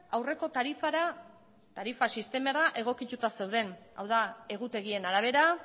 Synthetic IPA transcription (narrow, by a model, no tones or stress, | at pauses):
awre̞ko̞t̪aɾifaɾa | t̪aɾifasist̪e̞meraʔe̞ɣ̞o̞kit̪ut̪ase̞wðe̞na̰wðae̞ɣ̞ut̪e̞ɣ̞ie̞naɾaβ̞e̞ɾa